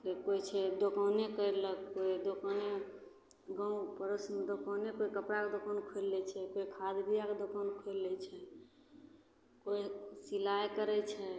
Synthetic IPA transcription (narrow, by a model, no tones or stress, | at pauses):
kekoit͡ʃʰɛd̪okəwnekəɾləkkoid̪okəne | ɡə̃pəɾəsmed̪okənekoikəpɾaked̪okənkʰelːɛt͡ʃʰɛkoikʰad̪bijaked̪okənkʰelːɛt͡ʃʰɛ | koisilajkəɾɛt͡ʃʰɛ